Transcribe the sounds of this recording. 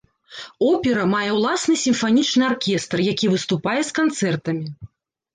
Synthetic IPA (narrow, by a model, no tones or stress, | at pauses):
ɔpʲɛɾɐmajɛwlˠasnɨsʲimfanʲit͡ʂnɨarkʲɛst̪rjakʲivɨst̪upajɛskant̪sɛrt̪ɐmʲi